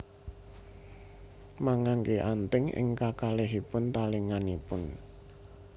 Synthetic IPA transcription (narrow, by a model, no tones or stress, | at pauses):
maŋaŋkeʔant̪ɪŋɪ̰ŋkakaleɦipʊnt̪aliŋanipʊn